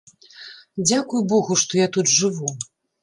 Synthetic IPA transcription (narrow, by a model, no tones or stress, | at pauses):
d͡zʲakujubɔɣuʂt̪ɔjat̪ud̪ʐɨvu